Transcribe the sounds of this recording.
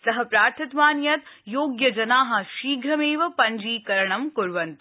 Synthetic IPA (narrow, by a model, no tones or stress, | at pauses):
sɐɦɐpɾaːɾt̪ʰɐt̪ʋaːnjɐt̪joːɡjɐd͡ʒɐnaːɦɐ̆ʃiːɡʱɾɐmeːʋɐpɐɲd͡ʒiːkɐɾɐɳɐmkuɾʋɐnt̪